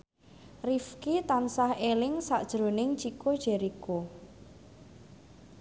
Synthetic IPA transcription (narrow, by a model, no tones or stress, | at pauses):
rifkit̪ansahelɪŋsaʔd̥ʒ̥ɾo̤nɪŋt͡ʃikod̥ʒ̥ɛɾiko